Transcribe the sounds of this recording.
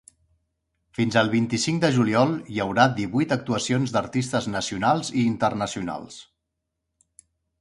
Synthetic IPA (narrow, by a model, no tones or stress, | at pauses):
finzəlˠβ̞int̪isiŋd̪əʒuliɔlˠjəwɾad̪iβujt̪ək̚t̪uəsionzd̪əɾt̪ist̪əznəsiunalˠziːnt̪ərnəsiuna̰lˠs